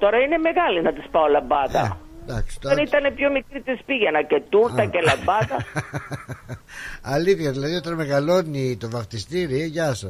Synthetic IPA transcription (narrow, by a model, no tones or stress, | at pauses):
t̪o̞ɾɐine̞meɣɐlinɐt̪ispɐolɐbɐðɐ | d̪ɐksi̥t̪onit̪ɐnepçomikɾit̪ispiʝɐnɐcet̪uɾɐcelɐbɐðɐ | ɐliθçɐðilɐðio̞t̪ɐnme̞ɣɐlo̞nit̪o̞vɐft̪ist̪iɾieʝɐso